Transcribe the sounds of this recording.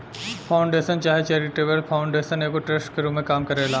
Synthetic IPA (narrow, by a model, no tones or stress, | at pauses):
pʰaːʊ̃ɳɖeːʃənt͡ʃaːɦet͡ʃɛːɾiʈeʋəɾpʰaːʊ̃ɳɖeːʃəneːkoʈɾɐsʈkeɾuːmẽkaːmkɐɾeːlaː